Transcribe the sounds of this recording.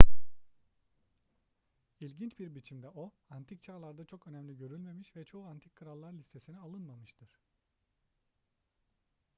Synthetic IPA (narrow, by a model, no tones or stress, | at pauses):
ilʲɟint͡ʃbiɾbit͡ʃʰimd̪ɛo̞ | ant̪ʰict͡ʃʰaːlˠaɾd̪at͡ʃʰo̞kø̞næmlʲiɟø̞ɾylʲme̞miʃvɛt͡ʃʰo̞uant̪ʰi̥kkʰːɯɾalˠːaɾlʲist̪ʰe̞sinialˠɯnmamɯʃt̪ʰɯɾ̥